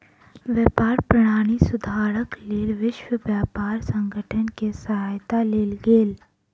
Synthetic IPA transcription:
ʋjɛːpaːɾpɾɐɽ̃aːɽ̃isʊd̪ʱaːɾəkleːlʋɪʃwəʋjaːpaːɾsə̃ŋɡʱəʈʰənkesəɦaːjt̪aleːlɡeːl

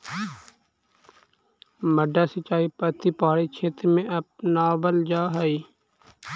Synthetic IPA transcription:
məɖaːsət͡ʃːaːiːpət̪iːpaːɽiːt͡ʃʰeːt̪ɾmẽːʔəp̚naːbəld͡ʒaːɦəiː

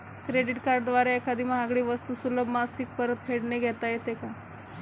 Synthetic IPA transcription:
kɾeɖiʈkaɾɖd̪ʋaɾeekad̪iːməɦaɡɽiːʋəst̪usuləbmasik̚pəɾət̪̚pʰeɽneɡʱɛt̪ajet̪eka

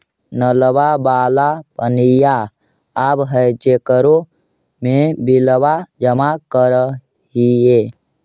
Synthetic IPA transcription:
nələbabaːlapənija | abɦəjt͡ʃekəɾo | mebiləwad͡ʒəmakəɾə | ɦie

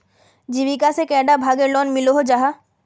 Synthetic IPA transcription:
d͡ʑibikasekɛɖabʱaɡeɾlɔnmiloɦod͡ʒaɦa

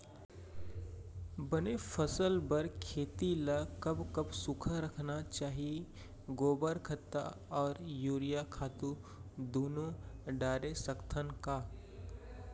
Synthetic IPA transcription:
bənefʰəsəlbɐɾkʰeːt̪ilakɐbkɐbsʊkʰaɾɐkʰnat͡ʃaːɦie | ɡoːbəɾkʰət̪ːa̰ | ɔːɾjuːɾijakʰaːt̪u | d̪oːnõɖaːɾesəkt̪ʰənkaː

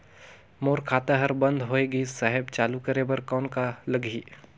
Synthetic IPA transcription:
moːɾkʰaːt̪aɦəɾbə̃nd̪ʱɦoːeɡisaɦɛbt͡ʃaːlukəɾebəɾkɔːnkaləɡʱiː

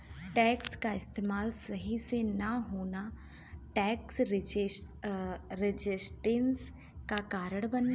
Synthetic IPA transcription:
ʈɛːkskaɪst̪eːmaːlsɐɦisenaɦoːna | ʈɛːks | ɾɪd͡ʒɪsʈɪns | kakaːɾəɽ̃bənː

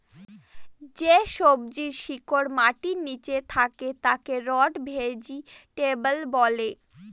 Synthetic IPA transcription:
d͡ʑeʃob̚d͡ʑiɾʃikoɾmaʈinit͡ɕet̪ʰaket̪akeɾɔɖbʱed͡ʑiʈebəlbɔle

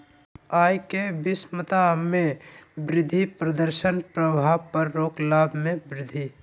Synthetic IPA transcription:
aːjkebɪsmət̪amẽbɾɪd̪ʱːipɾəd̪əɾʃənpɾəbʱaːbpəɾːoːklaːbʱmẽbɾɪd̪ʱi

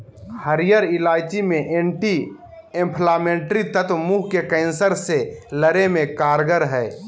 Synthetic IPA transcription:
həɾɪjəɾɪlaːjt͡ʃimẽʔẽːɳʈi | ẽmpʰlaːmẽːɳʈɾit̪ət̪muːɦkekɛ̃ːnsəɾseləɾemẽkaːɾɡəɾɦɛː

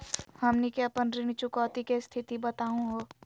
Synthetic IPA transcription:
hɐmnikeɐpənɾɪñit͡ʃʊkɔːt̪ikest̪ʰɪt̪ibɐt̪aːũɦoː

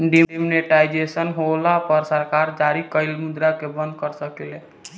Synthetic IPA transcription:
ɖiimneʈaɪd͡ʒesənɦolapəɾsəɾkaːɾd͡ʒaːɾikəɪlmʊd̪ɾakebə̃nd̪̚kəɾsəkele

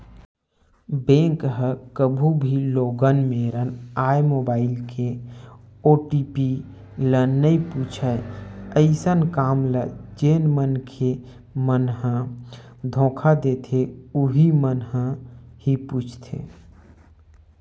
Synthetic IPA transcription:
bẽŋkɦəkəbʱubʱiloːɡənmeɾənaːjmobaːɪlkʰe | oːʈipi | lənəiput͡ʃʰəəɪsənkaːmləd͡ʒeːnmənkʰe | mənɦə̃ | d̪ʱõːkʰad̪et̪ʰeuɦimənɦə̃hiput͡ʃʰt̪ʰḛ

